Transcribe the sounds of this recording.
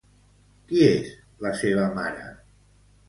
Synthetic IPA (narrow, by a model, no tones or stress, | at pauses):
kiez | ləseβ̞əmaɾə̰